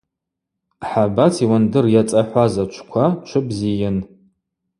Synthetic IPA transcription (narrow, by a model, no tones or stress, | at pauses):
ħabatʰiwandɨrjat͡sʼaħʷazat͡ʃʷʰkʷʰat͡ʃʷʰɨbzijɪn